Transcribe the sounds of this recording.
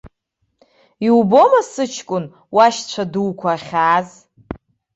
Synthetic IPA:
iwbo̞masɨt͡ʃʰkʷʼʊn | waʃt͡ɕʷʰaduwkʷʰaːχʲaːz

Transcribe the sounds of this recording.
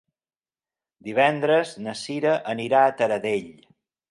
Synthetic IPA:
d̪iβ̞ɛnd̪ɾəznəsiɾəʔəniɾaət̪əɾəðeʎ

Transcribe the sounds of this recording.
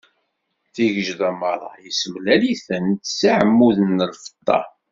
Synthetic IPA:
θiʝəʒðæmɑɾˤɑ̰jəsəmlæliθənt̪saʕəmːuðənːəlfə̥t̪ˤːɑ̰

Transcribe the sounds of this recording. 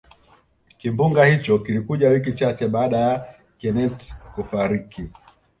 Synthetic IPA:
kimbuŋɡahit͡ʃɔkilikuʄawik̬it͡ʃat͡ʃɛɓaːɗaja | kɛnɛtkufaɾiki

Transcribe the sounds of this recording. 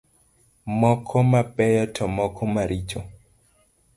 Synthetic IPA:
mɔkʰɔmapɛjɔtʰɔmɔkʰɔmaɾit͡ʃo

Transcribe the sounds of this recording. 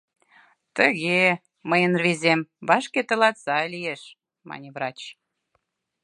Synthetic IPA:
t̪əɣe | məjənrβezʲemβɑʃket̪ə̆lɑt̪sɑlʲijeʃ | mɑ̰nʲevrɑt͡ɕ

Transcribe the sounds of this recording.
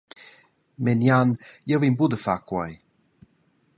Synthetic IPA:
mɛnjanjəvinbudəfakwaj

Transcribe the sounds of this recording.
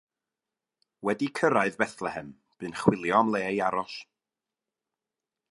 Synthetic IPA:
wɛdikʰəɾaɨðbɛθlˠɛhɛm | b̥ɨːnχwɪlˠjɔamlˠeːjaɾɔɬ

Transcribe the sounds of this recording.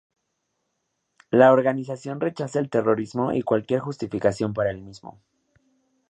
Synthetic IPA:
laoɾɣanis̬asjo̞nre̞t͡ʃasaelt̪e̞ro̞ɾizmo̞ʔḭkwalkje̞ɾxust̪ifikasjo̞mpaɾaelmizmo̞̰

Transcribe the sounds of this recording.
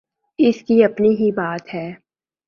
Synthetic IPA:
ɪskiɐpniɦibaːt̪ɦɛː

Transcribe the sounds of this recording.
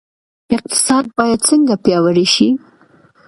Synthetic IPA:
ɪq̚t̪ɪ̥sɑd̪̚bɑjad̪̚t͡səŋɡapjɑwəɾeʃi

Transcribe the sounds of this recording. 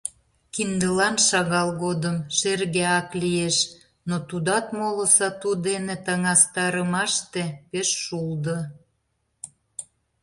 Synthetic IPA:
kind̪əlɑnʃɑɣɑlɣod̪əmʃerɣeɑklieʃ | not̪ud̪ɑt̪molə̆sɑt̪ud̪enet̪əŋɑst̪ɑɾəmɑʃt̪epeʃːuld̪ə

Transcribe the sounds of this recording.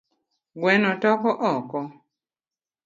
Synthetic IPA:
ɡwɛnɔtɔkɔʔɔkɔ

